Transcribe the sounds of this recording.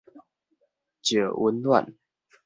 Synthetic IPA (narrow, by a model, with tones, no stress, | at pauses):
t͡ɕjə˨˩wə˧˦nlwa̰˥˨n